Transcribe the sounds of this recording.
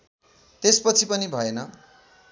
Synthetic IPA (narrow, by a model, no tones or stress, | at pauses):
t̪espʌt͡sʰipʌnibʱʌenʌ